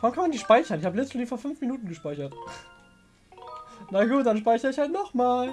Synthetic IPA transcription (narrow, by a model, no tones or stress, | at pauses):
v̥ʁankʰanmandiːʃpaɪçɐnɪçhaːbəlɛt͡stflifoːɐfʏnfminuːtn̩ɡəʃpaɪçɐt | naɡuːtd̥anʃ̬paɪçɐɪçhaltnɔχmaːl